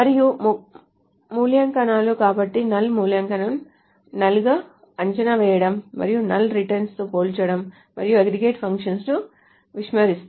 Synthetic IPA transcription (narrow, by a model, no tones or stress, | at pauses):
mɐɾiju | muːljɐŋkɐnaːloːkaːbɐʈːinɐlːmuːljɐŋkɐnɐn | nɐluɡaː | ɐɲt͡ʃɐnɐʋɛːjɐɽɐmːɐ̰ɾijunɐlːɾiʈɐɾnst̪oːpoːlt͡ʃɐɽɐmː | ɐɾijueɡɾiɡeːʈpʰɐŋkʂɐnsnu | ʋiʂmɐɾist̪